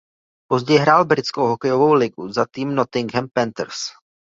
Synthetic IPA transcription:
po̞zɟɛjɦɾaːlbɾɪt͡skowɦokɛjovo̞wlɪɡuzat̪iːmnot̪ɪŋɡɦɛmpɛnt̪ɾs

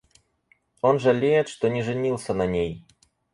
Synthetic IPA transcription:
onʐɐlʲejɛt̪ʂt̪ɔnʲɛʐɨnʲilˠsʲɐnɐnʲej

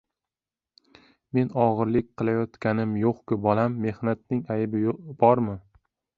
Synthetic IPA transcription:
me̞nɒʁɨɾlɪk̚ʲqʰɨlˠajɒt̪kʲanɪmjoqkʲʊbɒlamːe̞hnat̪̚nɪŋajbɪob̥ɒɾmɪ

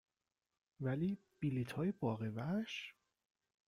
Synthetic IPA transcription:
væliː | b̥ilit̪ʰhɒːjebɒːɣevæʃ

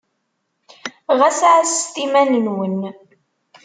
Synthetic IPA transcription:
ʁæsʕst̪imænənwən

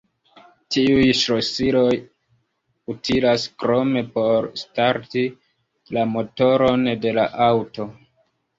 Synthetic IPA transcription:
tiujʃɾo̞siɾo̞j | utʰilaskɾo̞me̞po̞ɾstaɾti | lamo̞to̞ɾo̞nde̞la̰ʔawto̞

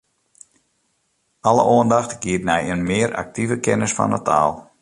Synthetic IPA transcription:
ɑləʔoəndɑxtɡiətnɛjənmɪːəɾʔa̰k̚tivəkɛnəsfɑ̰nətʰa̰ːlˠ

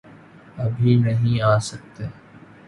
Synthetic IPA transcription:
əbʱiːnəɦĩːaːsək̚t̪eː

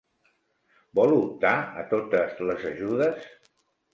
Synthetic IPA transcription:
bɔlut̪aət̪ot̪əzləzəʒuðəs

